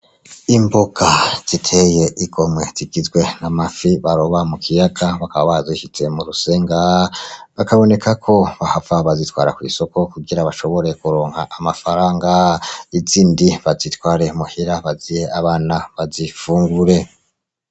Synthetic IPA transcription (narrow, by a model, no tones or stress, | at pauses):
imboɡ̥az̥itʰe̞je̞ʔiɡo̞mŋwe̞z̥iɡizɡwe̞namafiβaɾoβamukʰijaɡaβakaβaβahziiʃit͡se̞muɾuse̞ːŋɡaβakaβo̞ne̞kakʰo̞βahavaβazitwa̰ːɾakwḭso̞ko̞kuɡiɾaβaʃo̞βo̞ɾe̞kuɾoːŋhaʔamafaɾaːŋɡaiziːndiβazitwaːɾe̞muhiɾaβazijeaβaːnaβazifuːŋɡuɾe̞